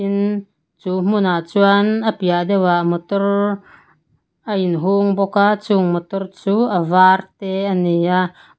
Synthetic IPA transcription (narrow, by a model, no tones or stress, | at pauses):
in | t͡suːm̥unat͡suanʔəpiaʔdɛwaʔmɔt̪ɔr | ʔəinɦuŋbɔkat͡suŋmɔt̪ɔrt͡suːʔəvart̪ɛənia